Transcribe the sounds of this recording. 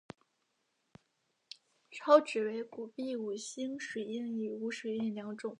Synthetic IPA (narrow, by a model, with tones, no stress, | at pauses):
ʈ͡ʂʰɑ˥ʊʈ͡ʂɻ̩˨˩we˧˥ɪku˨˩pi˥˩u˨˩ɕi˥ŋʂwe˨˩ɪi˥˩ŋi˨˩u˧˥ʂwe˨˩i˥˩nljɑ˧˥ŋʈ͡ʂʊ˥˩˦ŋ